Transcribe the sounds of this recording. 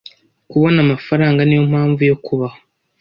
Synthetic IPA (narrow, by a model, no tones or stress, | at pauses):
kuβo̞namafaɾaːŋɡanijo̞m̥haːɱvujo̞kʰuβaho